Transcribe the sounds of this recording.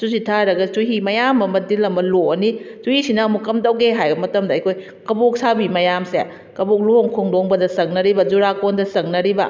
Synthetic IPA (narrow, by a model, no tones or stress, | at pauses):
susitʰaɾɐɡɐsuɦimɐjamɐmɐdilɐmɐloɐnisuhisinɐːmukːɐmdɐwɡeɦajɡɐmɐtɐmdɐɐjkʰoj | kɐbok̚sabimɐjamsḛ | kɐbok̚luhoŋkʰoŋdoŋbɐdɐsɐŋ̚nɐɾibɐzuɾakondɐsɐŋ̚nɐɾibɐ